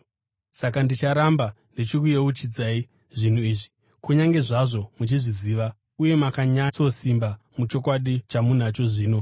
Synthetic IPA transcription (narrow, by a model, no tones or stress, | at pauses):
sakandit͡ʃaɾamba | ndit͡ʃikujeut͡ʃid͡zaːi | ʐin̤uiːʐi | kuɲaŋɡe̞ʐaʐo̞mut͡ʃiʐiziːʋa | uje̞makaɲat͡so̞simba | mut͡ʃo̞kwaɗit͡ʃamun̤at͡ʃo̞ʐiːno̞